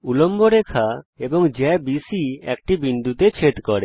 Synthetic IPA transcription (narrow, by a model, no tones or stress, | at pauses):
ulomboɾekʰaebɔŋd͡ʒɛbisiɛ̰kʈibind̪ʱut̪et͡ʃʰeʈkɔɾe